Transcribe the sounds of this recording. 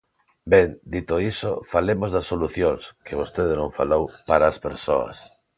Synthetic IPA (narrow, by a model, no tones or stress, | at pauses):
beŋd̪it̪oisofalemozðɐsːoluθjoŋskeβ̞ost̪eðenõŋfalowpaɾaːspeɾsoɐ̰s